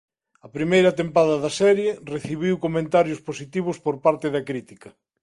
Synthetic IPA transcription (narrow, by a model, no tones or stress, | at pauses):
ɐpɾimejɾɐt̪empaðɐðɐsɛɾjereθiβiwkomẽnt̪aɾjʊsposit̪iβʊspoɾpaɾt̪ɪðɐkɾit̪ikɐ